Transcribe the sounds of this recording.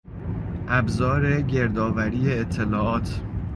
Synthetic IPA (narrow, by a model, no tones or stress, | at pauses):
ʔæbzɒːɾe̞ɟe̞ɾd̪ɒːvæɾiːjeːt̪ʰːe̞lɒːɒːt̪ʰ